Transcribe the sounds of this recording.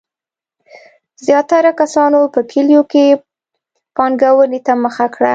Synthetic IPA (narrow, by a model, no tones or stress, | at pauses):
zjɑt̪aɾakasɑnopəkʰeljoke | pɑŋɡawənet̪aməxakɽa